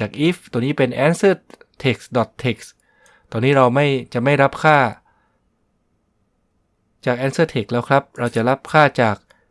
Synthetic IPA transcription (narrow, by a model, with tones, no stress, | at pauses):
aː˨˩k̚ʔi˦˥ft̪o˧niː˦˥pe˧nʔɛː˦˥nsɤː˥˩t̪ʰe˨˩k̚sdɔ˨˩t̪ʰːe˨˩k̚s | t̪ɔː˧nːiː˦˥ɾa˧wma˥˩jt͡ɕa˨˩ʔma˥˩jɾa˦˥p̚kʰaː˥˩ | t͡ɕaː˨˩k̚ʔɛː˦˥nsɤː˥˩t̪ʰe˨˩k̚lɛː˦˥wkʰɾa˦˥p̚ɾa˧wt͡ɕa˨˩ʔɾa˦˥p̚kʰaː˥˩t͡ɕaː˨˩k̚